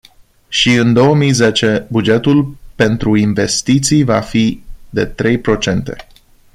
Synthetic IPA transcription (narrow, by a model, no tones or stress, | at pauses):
ʃiɨnd̪o̞wəmijze̞t͡ʃe̞bud͡ʒe̞t̪ulpe̞nt̪ɾuinve̞st̪it̪sijvafid̪e̞̰t̪ɾe̞jpɾo̞t͡ʃe̞nt̪e̞̰